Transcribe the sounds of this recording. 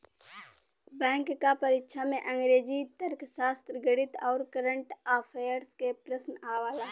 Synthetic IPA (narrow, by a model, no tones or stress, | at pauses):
bɛ̃ːŋkːapəɾɪkʃamẽʔə̃ŋɡɾeːd͡ʒit̪əɾkʃaːst̪ɾəɡəɽɪt̪ɔːɾkəɾə̃ɳʈaːpʰeːəɾskepɾəsnaːʋaːlaɦ